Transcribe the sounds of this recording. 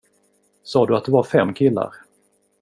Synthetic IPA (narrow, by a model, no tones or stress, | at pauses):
sɑːd̪ɵat̪̚d̪ɵvaɾfɛmːkʰɪlːa̰ɾ